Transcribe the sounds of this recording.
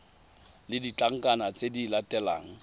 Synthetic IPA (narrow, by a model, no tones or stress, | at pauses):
lɪdit͡ɬaŋ̩kʼanat͡sʼedilatʼɛla̰ːŋ̩